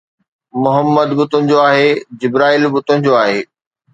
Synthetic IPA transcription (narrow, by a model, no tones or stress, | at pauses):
mʊɦəmːəd̪bʊt̪ʊnɪ̆d͡ʑoaːɦeːd͡ʑɪbɾaːiːlbʊt̪ʊnɪ̃d͡ʑoaːɦeː